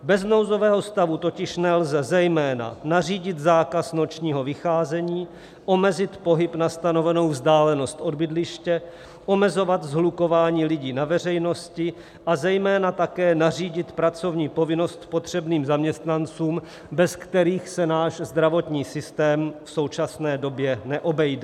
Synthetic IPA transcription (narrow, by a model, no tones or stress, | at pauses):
bɛzno̞wzo̞vɛːɦost̪avut̪o̞cɪʃnɛlzɛzɛjmɛːna̰nariːɟɪt̪zaːkasno̞t͡ʃɲiːɦo̞vɪxaːzɛɲiː | ʔo̞mɛzɪt̪po̞ɦɪpnast̪ano̞vɛno̞wvzdaːlɛno̞st̪ʔo̞d̪bɪdlɪʃcɛ | ʔo̞mɛzo̞vat̪zɦluko̞vaːɲiːlɪɟiːnavɛr̝ɛjno̞scɪ | ʔazɛjmɛːnat̪akɛːnariːɟɪt̪pɾat͡so̞vɲiːpo̞vɪno̞st̪po̞t̪r̝̥ɛbniːmzamɲɛst̪nant͡suːm | bɛskt̪ɛɾiːxsɛnaːʃzd̪ɾavo̞t̪ɲiːsɪst̪ɛːmfso̞wt͡ʃasnɛːdo̞bjɛnɛʔo̞bɛjdɛ